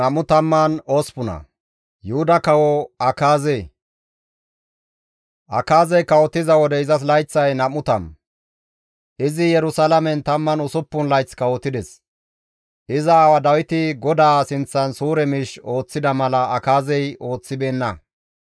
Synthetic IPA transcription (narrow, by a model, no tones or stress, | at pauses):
ɐmʊt̪ɐmːɐnoːspʊnɐ̰ | jʊhʊd̪ɐkɐwɔɐkaːze | ʔɐkaːzɛjkɐwɔt̪ːɪzɐwɔd̪ɛɪzɐs̬lɐjt͡sːɐjnɐmʊt̪ɐ̰m | ʔɪzɪjɛɾʊsalɐmɛnt̪ɐmːɐnʊsʊpːʊnlɐjt͡skɐwɔt̪ːɪd̪ɛs | ʔɪzɐːwɐd̪ɐwɪt̪ɪɡɔd̪aːsɪnt͡sːɐnsuːɾɛmɪʃo̞ːt͡sːɪd̪ɐmɐlɐɐkaːzɛjo̞ːt͡sːɪbeːnːɐ